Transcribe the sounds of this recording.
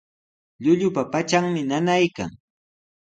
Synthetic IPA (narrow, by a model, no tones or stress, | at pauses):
ʎʊʎʊpapat͡ʃaŋmɪnanajka̰ŋ